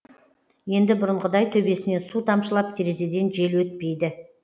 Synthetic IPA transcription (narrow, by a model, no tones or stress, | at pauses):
je̞nd̪ɪbʊɾəɴqəd̪ɑjt̪ʰɵbe̞sɪne̞sut̪ʰɑmʃəlˠɑp̚t̪ʰʲeɾezed̪e̞nt̪ʒe̞lwɵt̪̚pe̞jd̪ɪ